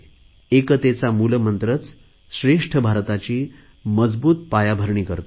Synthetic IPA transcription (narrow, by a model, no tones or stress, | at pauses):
ekət̪et͡samulmənt̪ɾət͡s | ɕɾeʂʈʰəbʱaɾt̪at͡ɕiː | məd͡zbuːt̪̚pajabʱəɾɳiːkəɾt̪